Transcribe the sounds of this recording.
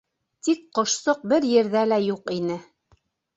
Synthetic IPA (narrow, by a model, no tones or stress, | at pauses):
t̪ikqŏʃsɤq̚bɘɾjɘ̆ɾðælæjuqinɘ